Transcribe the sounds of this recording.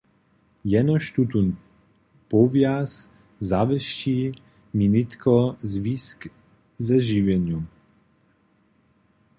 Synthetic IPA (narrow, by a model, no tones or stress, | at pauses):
jɛnɔʃt̪ut̪un | pɔvjas | zavɛʃci | minit̪kʰɔzvisk | zɛʒivɛɲum